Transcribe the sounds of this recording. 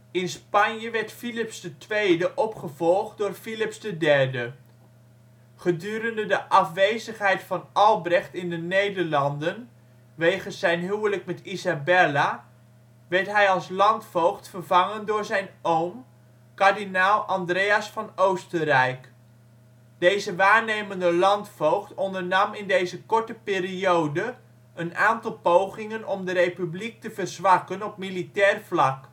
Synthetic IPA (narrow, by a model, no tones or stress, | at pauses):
ɪnspɑnjəʋɛɹtfilɪpsdətʋejdəʔɔpχəvɔlˠχd̚dʊːɹfilɪpsdədɛɹdə | χədyːɾəndədəʔɑfʋejzəχɦɛjtfɑnɑlˠbrɛχtɪndənejdəɹlɑndən | ʋejχənsɛjnɦywləkmɛtizabɛla | ʋɛɹtɦɛjɑlˠslɑntfowχtfərvɑŋəndʊːɹzɛjnowm | kaɹdinalˠʔɑndrejasfɑnowstərɛjk | d̥ejzəʋaːɹnejməndəlɑntfowχtɔndəɹnɑmɪndejzəkɔɹtəpɪːɾiowdə | ənaːntɑlˠpowχɪŋənɔmdərejpyblik̚təvərzʋɑkənɔp̚militɛːrflɑk